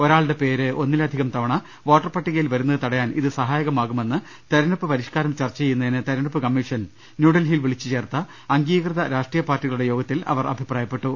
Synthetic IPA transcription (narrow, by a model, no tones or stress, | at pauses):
o̞ɾaːɭɨɽe̞pe̞ːɾɨo̞nːilɐd̪ʱiɣɐmt̪ɐʋɐɳɐ | ʋo̞ːʈːɐrpɐʈːiɣɐjilʋɐɾunːɐðɨt̪ɐɽɐjaːnḭðɨsɐɦaːjɐɣɐmaːɣume̞nːɨ | t̪ɐɾɐɳɐpːɨpɐɾiʂkaːɾɐmt͡ɕɐrt͡ɕːɐejunːɐinɨt̪ɐɾɐɳɐpːɨkɐmːiʂɐn | njuːɽɐlɦilʋiɭit͡ɕːɨt͡ɕe̞ːrt̪ɐ | ɐŋɡiːkrɨðɐɾaːʂʈriːjɐpaːrʈːiɣɐɭuɽe̞jo̞ːɡɐt̪ːilɐ̰ʋɐrʔɐ̰bʱipraːjɐpːe̞ʈːu